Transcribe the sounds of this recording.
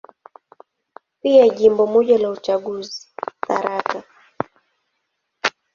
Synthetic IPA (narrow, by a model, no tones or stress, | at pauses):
piaʄimbɔmɔʄalaut͡ʃaɠuzi̥θa̰ɾaka